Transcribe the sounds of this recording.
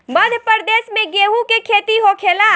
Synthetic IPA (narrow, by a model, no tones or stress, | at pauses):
mɐd̪ʱəpəɾd̪eːsmẽɡeːɦukekʰeːt̪iɦokʰeːlaː